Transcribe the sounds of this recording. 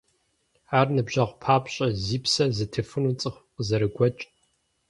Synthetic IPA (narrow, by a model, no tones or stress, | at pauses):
aːrnɨbʑɐʁʷpʰaːpʼɕʼɐziːpsɐzɨtʰɨfɨnut͡sʼɨχʷqʼəzɐɾɨɡʷɔt͡ʃʼ